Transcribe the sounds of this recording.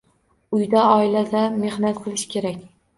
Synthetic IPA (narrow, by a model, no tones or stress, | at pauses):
ʊjd̪aɒɪlad̪ame̞hnat̪̚qʰɨlˠɪʃkʲe̞ɾakʲ